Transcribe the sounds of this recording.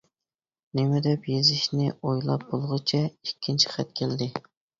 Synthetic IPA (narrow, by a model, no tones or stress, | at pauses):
nɪmɪd̪ɛpjezɪʃnɪojlˠɑ̰p̚bolˠʁʊt͡ʃʰɛikʲʰːint͡ʃʰi̥χɛt̪kʲʰeld̪ɪ